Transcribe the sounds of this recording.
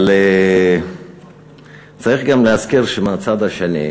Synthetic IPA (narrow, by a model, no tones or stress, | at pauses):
le | t͡saʁiχɡamleazkiʁʃemeat͡sad̪aʃenḭ